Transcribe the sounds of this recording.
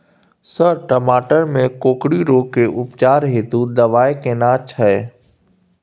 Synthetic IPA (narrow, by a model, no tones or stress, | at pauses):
səɾʈəmaːʈəɾmẽkoːkɽiɾoːkːeʔʊpt͡ʃaːɾɦeːt̪ud̪ɐʋaːekeːnaːt͡ʃʰəe